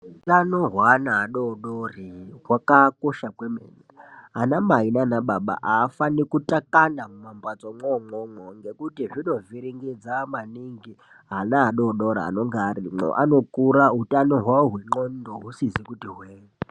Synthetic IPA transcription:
ɦutanoɦwanaɦːɗoɗoriɦwakakoʃakwemḛːnaanamainanaɓaɓa̰ʔaːfanikutakanamumambat͡soŋ͡ǃomomoŋɡekutiʐino̞viɾiŋɡid͡zamaniŋɡi | ɦanaɦaɗoɗoɾa̰a̰no̞ŋɡaːɾiŋ͡ǃo̰ʔano̞kuɾaɦutanoɦwaɦweŋ͡ǃondoɦusizikutiɦweː | i

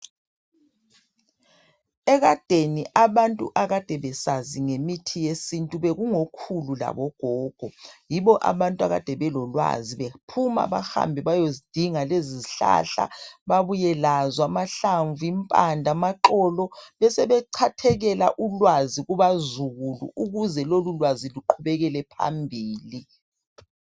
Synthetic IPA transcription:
ɛɣad̥ʱeniʔaβantʼṵʔaɣad̥ʱɛβɛsaziŋemitʰijesintʼuβeɣuŋokʰulula̰βɔɡ̥ʱɔːɡ̥ʱɔjiβɔʔa̰βantʼua̰ɣa̰d̥ʱɛβɛlɔlwa̰ziβepʰuma̰βa̰ha̰mbʱiβajozid̥ʱiŋaleziziɬa̰ɬa̰βaβujɛlazwamaɬaɱvuimpʼandʱamaǃɔlɔβɛsɛβɛǃʰatʰɛɣɛla̰ʔulwaziɣuβazuɣulṵuɣuzɛlolulwaziluǃʰuβɛɣɛlɛpʰa̰mbʱiːli

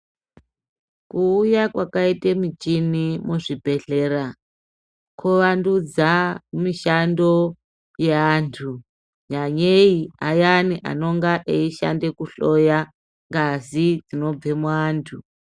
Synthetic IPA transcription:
kuːjakwakaitemit͡ʃinimuʐibʱe̞ɬe̞ːɾa | kʰuʋandud͡zamiʃando̞ | jeaːntʰu | ɲaɲeiajaniʔa̰no̞ŋɡaʔeiʃa̰nde̞kuɬo̞ja | ŋɡazid͡zino̞b͡ve̞muaːntʰu

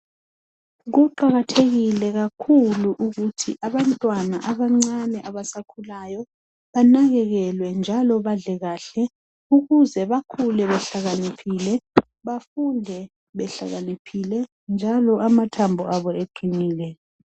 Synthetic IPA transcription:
ɣuǃaɣatʰeɣilɛɣakʰuluʔuɣutʰiʔaβantʼwana̰ʔaβaŋ͡ǀanɛʔaβasakʰulajɔ | βanaɣɛɣɛlwɛnd͡ʒʱalɔβaɮɛɣaːɬɛ | uɣuzɛβakʰulɛβɛɬaɣanipʰiːlɛ | βafundʱɛ | βɛɬa̰ɣanipʰilɛ | nd͡ʒʱalɔamatʰambʱɔʔaβɔeɡ͡ǀʱiniːlɛ

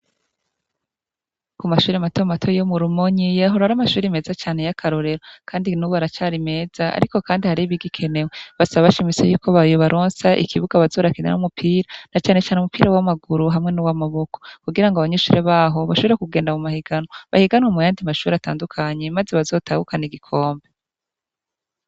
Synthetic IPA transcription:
kumaʃuːɾematomatʰojomuɾumoɲijaɦoɾaɾamaʃuːɾime̞ːzat͡ʃaːne̞jakʰaɾo̞ɾe̞ɾokʰaːndinuβaɾat͡ʃaːɾime̞ːz̥aa̰ɾiko̞kaːndihaɾiβiɡikʰe̞ne̞weβasaβaβaʃimit͡sejuːkoβajoβaɾo̞ːnsaʔḭkʰiβuɡaβazo̞ːɾakina̰numupʰiːɾanat͡ʃaːne̞t͡ʃaːneumupiːɾawamaɡuɾuɦamŋe̞nuwamaβo̞ko̞̥kuɡiɾaŋɡoaβaɲeʃuːɾeβaːɦo̞βaʃoβeɾekuɡe̞ːndamumahiɡanoβa̰hiɡanwomujaːndimaʃuːɾiata̰ːndukʰaɲe̞mazeβazo̞ːtahukaniɡikʰo̞ːmbe

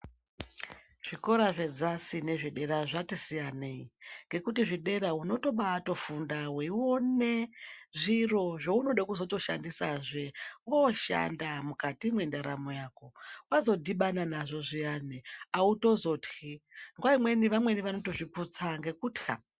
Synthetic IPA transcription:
ʐ̥iko̞ɾaʐe̞d͡zasine̞ʐiɗe̞ɾaʐatisijaneiŋɡe̞kutiʐiɗe̞ɾauno̞to̞ɓato̞fundaweiwoneʐiro̞ʐouno̞ɗakuzoto̞ʃa̰ndisaʐe̞woʃa̰ndamukatimwendaɾa̰mo̞jaːko̞wazo̞dʱiɓananaʐo̞ʐijaneauto̞zo̞txiŋɡwaimwe̞niʋamwe̞niʋano̞to̞ʐiput͡saŋɡe̞kuːtxa̰

